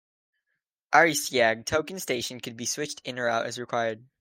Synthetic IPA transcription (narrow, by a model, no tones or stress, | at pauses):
ʔaɹisiæɡ̚tʰoʊkɨ̃n̩steɪʃɨ̃n̩kʰɨd̚biswɪt͡ʃtʰɪ̃nə˞aʊɾɨ̰zɹɨkʰw̥aɪə˞d̥̚